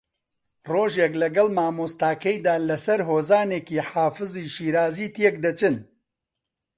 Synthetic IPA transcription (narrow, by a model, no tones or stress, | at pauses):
roːʒeːklɐɡɐlmaːmoːst̪aːkɐjd̪aːlɐsɐɾɦoːzaːneːkiːħaːfɨziʃiːɾaːziːt̪ek̚d̪ɐt͡ʃɨn